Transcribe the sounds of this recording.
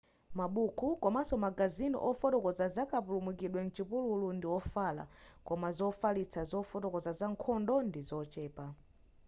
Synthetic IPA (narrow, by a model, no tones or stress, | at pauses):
maɓukʰukɔmasɔmaɡazinḭʔɔfɔtɔkɔzazakapulumukiɗwɛn̩t͡ʃipululundiwɔfala̰kɔmazɔfalit͡sʰazɔfɔtɔkɔzazaŋkʰɔndɔndizɔt͡ʃɛːpa